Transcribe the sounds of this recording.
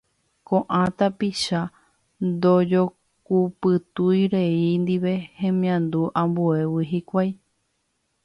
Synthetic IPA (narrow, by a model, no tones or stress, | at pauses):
kõʔãt̪apiʃa | nd̪od͡ʒo̞ | kupɨt̪ujɾeind̪iʋe̞hẽ̞mĩãnd̪uʔãmbue̞wiɦikʷaj